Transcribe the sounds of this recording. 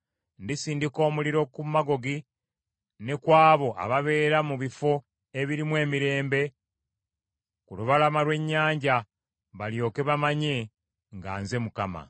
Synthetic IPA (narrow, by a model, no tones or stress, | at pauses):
ndisiːndiko̞ːmuliɾo̞kumaɡo̞ɡi | ne̞kwaːβo̞ʔa̰βaβe̞ːɾamuβifo̞ | e̞βiɾimwe̞ːmiɾe̞ːmbe̞ | kuluβalamaɾwe̞ɲːaːɲɟa | βaljo̞ːke̞βamaɲe̞ | ŋɡa̰ːnze̞mukama̰